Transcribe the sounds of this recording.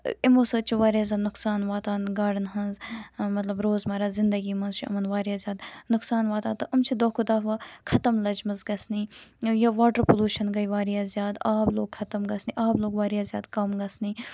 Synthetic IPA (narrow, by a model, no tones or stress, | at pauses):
imoːsət͡ʃʰiʋaːɾijaːzʲjaːnʊksaːnʋaːt̪aːnɡaːɽɐnɦɐnzmɐt̪lɐbɾoːzmɐɾaːzɪnd̪ɐɡiːmɐnzt͡ʃʰiɐ̰mɐnʋaːɾijaːzʲjaːd̪nʊksaːnʋaːt̪aːt̪ɐʔɐmt͡ʃʰid̪oːkʰud̪aːfʋaːkʰɐt̪ɐmlɐd͡ʒmɐzɡɐsniːjɐʋaːʈɐɾpoluːʃɐnɡɐiʋaːɾijaːzjaːd̪aːbloːɡ̚kʰɐt̪ɐmɡɐsniʔaːbloːɡʋaːɾijaːzjaːd̪kɐmɡɐsniː